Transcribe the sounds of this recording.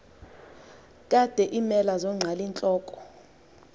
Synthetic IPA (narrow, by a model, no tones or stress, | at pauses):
kʼad̥ʱɛʔimɛlazɔŋ͡ǀʱalint͡ɬʼɔːkʼɔ̥